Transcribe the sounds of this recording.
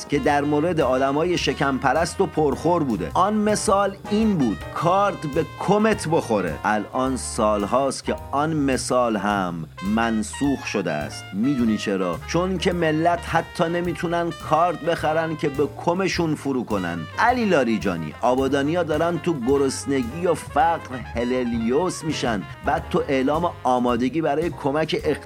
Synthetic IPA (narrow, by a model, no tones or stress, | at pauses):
cʲʰe̞d̪æɾmoɾe̞d̪eɒːd̪æmɒːjeʃecʰæmpʰæɾæst̪o̞pʰoɾχoɾbuːd̪ḛɒnme̞sɒːl | iːnbuːd̪̥kʰɒːɾt̪be̞kʰome̞t̪ʰbo̞xo̞ɾḛʔælʔɒːnsɒːlɦɒːscʰʲeɒnme̞sɒːlɦæmːænsuːxʃo̞d̪ḛæ̰st̪miːd̪uniːt͡ʃʰe̞ɾɒːt͡ʃʰo̞ncʰeme̞lːæt̪hæt̪ʰːɒːne̞miːt̪ʰunænkʰɒːɾt̪̚be̞xæɾæn̚cʲʰe̞bekʰome̞ʃunfuɾuːko̞næ̰nd̪æliːlɒːɾid͡ʒɒ̰ːnḭːʔɒːbɒːd̪ɒːnijɒːd̪ɒːɾæn̚t̪ʰuɡoɾosne̞ɟiːjofæɡɾheleljosmiːʃænd̪bæd̪̥̚t̪ʰːoʔe̞lɒːmeɒːmɒːd̪e̞ɡiːbæɾɒːje̞kʰo̞mæcʰeʔe